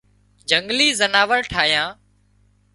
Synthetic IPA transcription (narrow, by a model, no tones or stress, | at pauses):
d͡ʒəŋɡliːzənaːʋəɾʈʰaːjãː